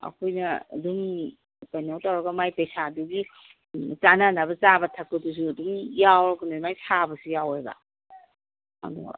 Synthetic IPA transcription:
ɐ̰kʰojnɐɐ̰duŋ | kajnowtawɾɐɡɐmajpejsaduɡi | t͡ʃananabɐt͡ʃabɐtʰɐkːɐdus̬uɐduŋjawɾakunɐmajsabɐsujaweɡɐ̰ | a̰dṵ

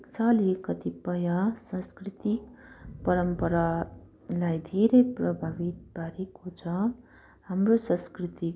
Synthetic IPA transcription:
ekt͡sʰalikʌt̪ipʌjasʌ̃skrit̪ikpʌɾʌmpʌɾa | lajd̪ʱeɾʌjprʌbʱabit̪̚baɾekot͡sʰʌ | hamrosʌ̃skrit̪i

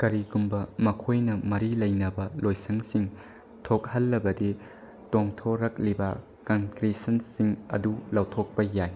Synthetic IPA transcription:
kɐɾiɡumbɐmɐkʰojnɐmɐɾilɐjnɐbɐlojsɐŋsiŋ | tʰok̚hɐlːɐbɐdi | toŋtʰoɾɐk̚libɐ | kɐŋkɾisɐnsiŋɐ̰dulɐwtʰok̚pɐjaj

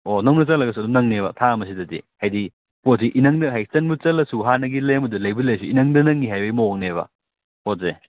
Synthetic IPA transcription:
onɐwnɐt͡sɐlɐɡɐsuɐdumnɐŋneβɐtʰaɐmɐs̬idɐdḭhajdi | pot̚siʔinɐŋdɐɦajsɐnbut͡ʃɐlːɐsuɦanɐɡilemɐdulɐjbilɐjsuinɐŋdɐnɐŋːiɦajbɐjmok̚neβɐ̰ | pot̚ze

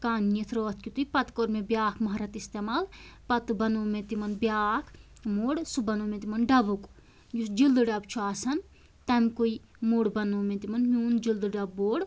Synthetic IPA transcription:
kaːnːit̪ʰɾoːt̪ʰkʲit̪ujpɐt̪koːɾmẽbʲjaːkʰmɐɦɾɐt̪ist̪eːmaːlpɐt̪bɐnoːmẽt̪imɐnbjaːkʰ | moːɽsubɐnoːmẽt̪imɐnɖɐbuk | jusd͡ʒild̪ɨɖɐbt͡ʃʰuaːsɐn | t̪ɐmkui | moːɽbɐnoːmẽt̪imɐnmʲuːnd͡ʒild̪ɨɖɐbːoːɽ

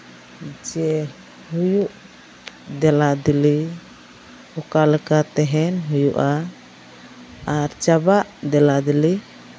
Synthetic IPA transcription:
d͡ʒɛ | hujuʔ | d̪ɛlad̪ili | ɔkalɛkat̪ɛɦɛnɦujuʔa | ɾt͡ʃabaʔd̪ɛlad̪ili

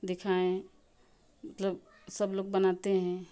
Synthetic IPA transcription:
d̪ɪkʰaẽ | mət̪ləb | səbloːɡ̚bənat̪eɦɛ̃

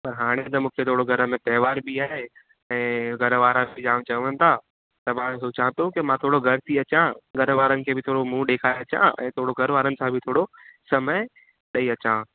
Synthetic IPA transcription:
pɐɾɦaːɽ̃et̪̬ɐmũːkʰet̪ʰoːɽoɡʱɐɾə̆mẽp̪ɛːʋaːɾbʱiaːɦe | ɛ̃ːɡʱɐɾəʋaːɾãd͡ʒaːʋ̃t͡ɕɐʋənɪ̆t̪ʰaː | t̪ɐmãɦot͡ɕaːə̃t̪okɪmãt̪ʰoːɽoɡʱɐɾt̪ʰiɐt͡ɕãɡʱɐɾəʋaːɾənɪ̆kʰeːbʱɪt̪ʰoːɽomũɗeːkʰaːeɐt͡ɕã̰ʔɛ̰̃ːt̪ʰoːɽoɡʱɐɾʋaːɾənɪsãbʱɪt̪ʰoːɽosɐmə | ɗɐiɐt͡ɕã

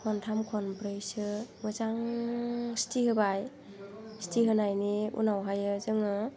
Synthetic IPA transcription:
kʰɔntʰamkʰɔnpɾɯjsɯmɯzaŋ | stʰiɦɯbaj | stiɦɯnajniṵnawɦajɯzɯŋɯ

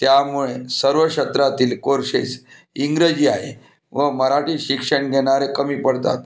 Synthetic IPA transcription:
t̪jamuɭesəɾʋəɕət̪ɾat̪iːlkoɾʂḛt͡s | iŋɡɾəd͡ʑiːaɦḛ | ʋəməɾaʈiːɕikʂəɳɡʱeɽ̃aɾekəmiːpəɽt̪a̰t̪̚

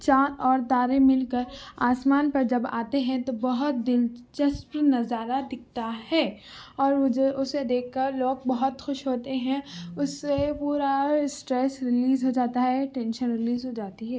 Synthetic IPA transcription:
t͡ʃaːnɔːɾd̪aːɾẽmɪlkəɾaːsmaːnpɐɾd͡ʒɐba̰ːt̪eɦɛ̃t̪obɐɦʊt̪̚d̪ɪlt͡ʃɐspɾnɐzaːɾad̪ɪk̚ʰt̪ahɛː | ɔːɾʔʊsed̪eːk̚ʰkɐɾloːɡ̚bɐɦʊt̪xʊʃɦoːt̪eɦɛ̃ʊsːepuːɾasʈɾɛːsɾɪliːzɦod͡ʒaːt̪aɦɛʈɛ̃nʃənɾɪliːzɦod͡ʒaːt̪iɦɛː

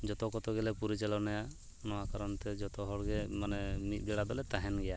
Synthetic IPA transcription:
d͡ʒɔt̪ɔkɔt̪ɔɡɛlɛpuɾit͡ʃalɔnɛja | nɔwakaɾɔnt̪ɛd͡ʒɔt̪ɔɦɔɽɡɛmanɛmit̪̚ɡɛɽad̪ɔlɛt̪aɦɛnɡɛja

